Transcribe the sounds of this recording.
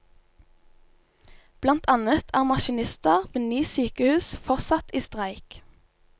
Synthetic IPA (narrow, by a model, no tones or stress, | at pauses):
b̥lɑnt̪ʰɑnət̪ʰæːʁmɑʃɪnɪst̪əʁmeːnyːsyːkəhʉːsfɔʁsɑt̪ʰiːst̪ʁæɪk